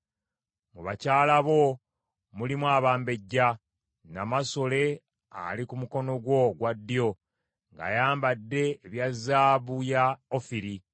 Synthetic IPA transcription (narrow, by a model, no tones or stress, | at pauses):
muβacaːlaβo̞ | mulimwaːβaːmbe̞ɟːa | namaso̞le̞ | a̰likumuko̞no̞ɡwo̞ɡwadːijo̞ | ŋɡa̰ːjaːmbadːe̞ːβjazːaːβujaofiɾi